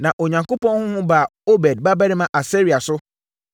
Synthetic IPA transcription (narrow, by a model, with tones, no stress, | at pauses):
nã˨ʔo˨ɲã˨ŋko˦pɔ̃˦n˦hʊ̃˦hʊ̃˦ba˨o˦bɛ˨d̚ba˦bɛ˦nɪ̃˦mã˦˨ʔa˨se˦ɾi˨a˨sʊ˦